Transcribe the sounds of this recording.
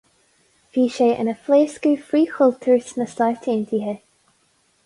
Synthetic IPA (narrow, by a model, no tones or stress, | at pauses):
fiːʃeːʔə̰nəfleːskuːfɾiːxʊlt̪ʰəɹsnəstajt̪ʰeːnt̪ʰiːɦə